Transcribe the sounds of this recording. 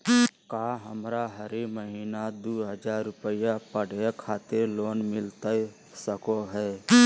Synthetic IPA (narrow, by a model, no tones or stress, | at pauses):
kaːɦəmɾaɦəɾiməɦiːnad̪uːɦəd͡ʒaːɾːʊpəjapəɽ̤akʰaːt̪eɾloːnmɪlt̪a | səkoɦɛː